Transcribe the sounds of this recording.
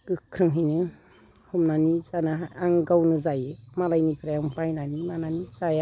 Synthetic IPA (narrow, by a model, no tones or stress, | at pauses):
ɡ̥ɯkʰɾɯŋɦinɯ | humnanizanaaŋɡawnɯzajmalajnipʰɾajaumpajnanimananizaja